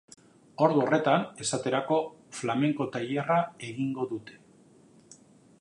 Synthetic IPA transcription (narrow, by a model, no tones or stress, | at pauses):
o̞ɾðuo̞re̞t̪ane̞sat̪e̞ɾako̞flame̞ŋko̞t̪ajerae̞ɣiŋɡo̞ðut̪e̞̥